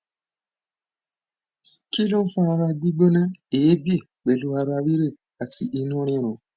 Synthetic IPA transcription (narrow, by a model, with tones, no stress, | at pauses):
ki˦lo˦n̩˦fũ˦a˧ɾa˧ɡ͡bi˦ɡ͡bo˦nã˦eː˨˦bi˦˨k͡pe˨lu˧˦a˧ɾa˧ɾi˦ɾe˦˨ | a˨ti˨ʔi˧nũ˦ɾ̃ĩ˧˨ɾ̃ũ˨